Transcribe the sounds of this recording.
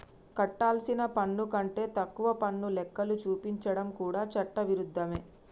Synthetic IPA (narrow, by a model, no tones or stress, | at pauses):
kɐʈːaːlsinɐpɐɳːukɐɳʈe̞ːt̪ɐkːuʋɐpɐnːulɛkːɐlut͡ʃuːpiɲt͡ʃɐɽɐmkuːɽaːt͡ʃɐʈːɐʋiɾud̪ʱːɐme̞ː